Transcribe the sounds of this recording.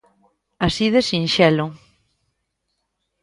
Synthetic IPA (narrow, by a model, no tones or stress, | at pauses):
asiðesinʃɛlo